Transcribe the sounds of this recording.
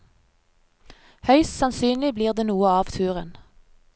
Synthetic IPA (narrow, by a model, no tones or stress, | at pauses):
hœʏssɑnsyːnlɪbliːʁd̪eːnuːəɑːʋt̪ʰʉːʁə̰n